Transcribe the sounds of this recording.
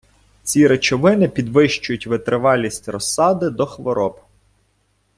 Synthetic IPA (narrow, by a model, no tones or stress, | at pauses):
t͡sʲiɾet͡ʃɔʋɪnɪpʲid̪ʋɪʃt͡ʃʊjʊtʲʋɪt̪ɾɪʋɑlʲisʲtʲrɔsɑd̪ɪd̪ɔxʋɔɾɔb